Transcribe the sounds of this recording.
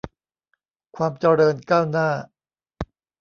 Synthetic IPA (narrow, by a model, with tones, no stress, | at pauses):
kʰwaː˧mt͡ɕa˧ɾɤː˧nkaː˥˩wnaː˥˩